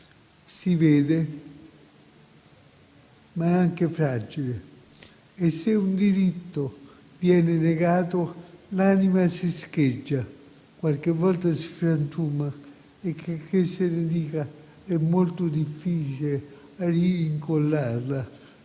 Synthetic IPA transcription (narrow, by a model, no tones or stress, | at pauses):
sivɛːd̪e | maɛaŋkefɾaːd͡ʒile | esːeund̪iɾit̪ːo | vjɛːneneɡaːt̪olaːnimasisk̟ed͡ʒːa | kwalk̟evːɔlt̪asi̥fɾant̪uːma | ekʰːekʰːesːened̪iːka | ɛmːolt̪od̪ifːiːt͡ʃile | ariːŋkolːarla